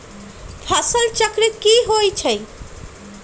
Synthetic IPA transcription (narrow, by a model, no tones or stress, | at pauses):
fʰasalt͡ɕakɾikiɦojt͡ɕʰej